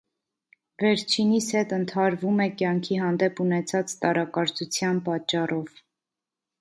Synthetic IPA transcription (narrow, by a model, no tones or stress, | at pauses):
vɛɾt͡ʃʰinishɛt̪ənt̪ʰɑɾvumɛkjɑŋkʰiɦɑnd̪ɛpunɛt͡sʰɑt͡st̪ɑɾɑkɑɾt͡sut͡sʰjɑnpɑt͡ʃːɑrɔv